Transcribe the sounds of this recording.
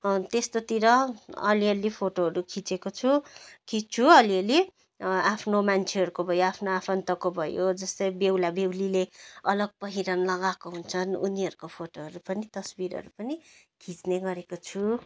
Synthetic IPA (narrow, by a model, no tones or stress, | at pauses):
t̪est̪ot̪iɾʌʌliʌlipʰoʈoɦʌɾukʰit͡sekot͡sʰukʰit͡sʰuʌliʌli | apʰnomant͡sʰeɦʌɾukobʱʌjoapʰnoapʰʌnt̪ʌkobʱʌjod͡zʌst̪ʌjbewlabewlileʌlʌɡ̚pʌɦiɾʌnlʌɡakoɦunt͡sʰʌnṵniɦʌɾukopʰoʈoɦʌɾupʌnit̪ʌsbiɾʌ̰ɾupʌni | kʰit͡sneɡʌɾekot͡sʰu